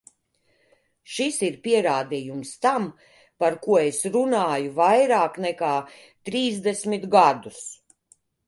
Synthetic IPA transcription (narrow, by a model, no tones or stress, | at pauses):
ʃisiɾpiɛɾaːd̪iːjumst̪am | paɾkuɔesɾunaːjuvajɾaːknɛkaː | t̪ɾiːzd̪ɛsmit̪ɡad̪us